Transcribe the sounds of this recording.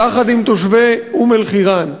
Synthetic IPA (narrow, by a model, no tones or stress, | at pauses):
aχad̪imt̪oʃveumelχiʁan